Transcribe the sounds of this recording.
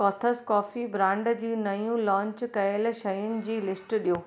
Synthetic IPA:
kɔːt̪ʰəskɔːfibɾãːɳɖd͡ʑiːnɐjũlɔ̃ːɲt͡ɕkɐɪlʃɐjʊnɪ̆d͡ʑiːlɪsʈɗiɦoː

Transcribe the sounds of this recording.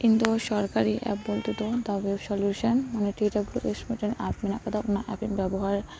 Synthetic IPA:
kint̪uʃɔɾkaɾiʔɛ̰p̚bolt̪it̪od̪aʋebsɔljuʃanmaneʈiʈablṵʔesʈmiʈenapminakad̪aʔunaʔɛpiŋbɛboɦaɾ

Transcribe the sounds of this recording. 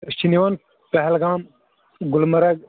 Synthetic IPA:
ʃiniʋɐn | pɐɦɛlɡaːm | ɡʊlmɐɾɐɡ

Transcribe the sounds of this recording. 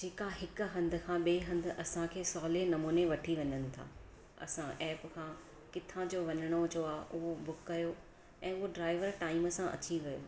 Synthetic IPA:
d͡ʑeːkaɦɪkʊ̆ɦɐ̃nd̪ʱʊ̆kʰãːɓeːɦɐ̃nd̪ʱʊ̆ʔɐsãkʰeːsɔːlenɐmuːneʋɐʈʰiʋɐ̃ɲənɪ̆t̪ʰa̰ː | ɐ̰sãʔɛːpkʰãː | kɪt̪ʰãd͡ʑoːʋɐɲəɽ̃ot͡ɕoaːɦʔʊɦobʊkːɐjo | ɛ̃ːʊɦoɖɾaːɪʋəɾʈaːɪməsãʔɐ̰t͡ɕiʋɐjo̰ː

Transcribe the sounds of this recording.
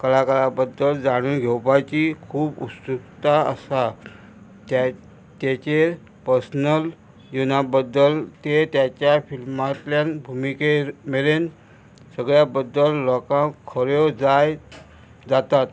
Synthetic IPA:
kəlakəɭabəd̪əld͡zaɽ̃uːnɡʱewpat͡ɕiːkʰuːbusukt̪aəsa | t̪at͡ɕe | pəɾsnəl | junabəd̪ːəlt̪et̪jat͡ɕjafilmat̪ljanbʱumikemelen | səɡɭjabəd̪ːəlːɔkãkʰəɾjod͡zaj | d͡zat̪at̪

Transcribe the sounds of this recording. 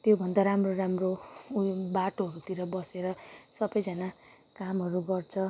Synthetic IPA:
t̪jobʱʌnd̪aɾamroramro | baʈoɦʌɾut̪iɾʌbʌseɾʌsʌbʌjd͡zʌna | kamɦʌɾuɡʌrt͡sʰʌ

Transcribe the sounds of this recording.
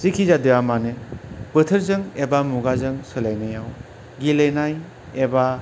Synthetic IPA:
sikʰizadɯjamanɯbɯtʰɯɾzɯŋebamuɡazɯŋsɯlajnɯjaw | ɡilejnaj | eba

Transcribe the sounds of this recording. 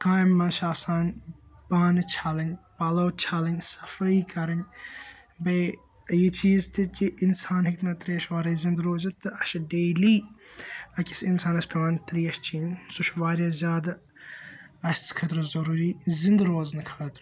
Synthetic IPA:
kaːjmːɐnʃaːsaːnbaːnɨt͡ʃʰaːlɐŋɡʲpɐlɐwt͡ʃʰaːlɐŋʲsɐfɐiːkɐɾɐn | bɐj | jit͡ʃiːzt̪ɨkʲiʔinsaːnɦiknɐt̪ɾiːɐʃʋaːɾɐjzĩnd̪ɾoːzɐt̪ːɨɐʃɖeːliː | ɐkʲisinsaːnɐsʲpʲʰɐʋaːnt̪ɾiːɐʃt͡ʃiːnsuʃʋaːɾjazʲjaːd̪ɐ | ɐst͡sʰkʰɐt̪ɾɨzɐɾuːɾiːzɪnd̪ɾoːznɐkʰɐɐt̪ɾ

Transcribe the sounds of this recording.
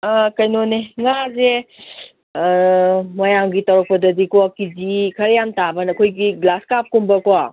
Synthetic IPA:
akɐjnoneŋaze | mɐjaŋɡitɐwɾɐk̚pɐdɐdikwakizikʰɐɾjamtabɐnɐkʰojɡiɡlaskap̚kumbɐkowa

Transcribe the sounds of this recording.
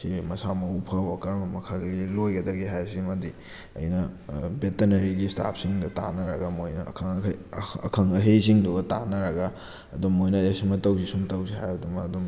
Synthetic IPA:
simɐsamɐupʰɐwakɐɾmɐmɐkʰalɡilojɡɐdɐɡiɦajsimɐdi | ɐ̰jnɐbetenɐɾiɡista̰p̚ʰsiŋdɐta̰nɐɾɐɡamojnɐ̰kʰŋ | ɐkʰɐŋɐɦes̬iŋduɡɐtanɐɾɐɡa | ɐdumːojnɐasimɐtɐwsisumtɐwsiɦajɐdumɐːdum

